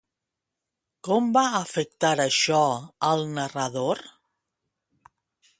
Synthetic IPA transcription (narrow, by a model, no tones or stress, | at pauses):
kɔmbaəfək̚t̪aɾəʃɔəlˠnərəðoɾ